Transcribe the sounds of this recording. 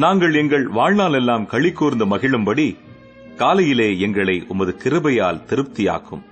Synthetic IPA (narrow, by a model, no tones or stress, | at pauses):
naːŋɡɐɭɛŋɡɐɭʋaːɻnaːlɛlːaːmkɐɭːɪkːuːɾnd̪ɯmɐɣɪɭɯmbɐɽi | kaːlɐjɪleːɛŋɡɐɭɐɪʔʊmɐðɯkɪɾɯbɐjaːlt̪ɪɾɯp̚t̪ɪja̰ːkɯ̰m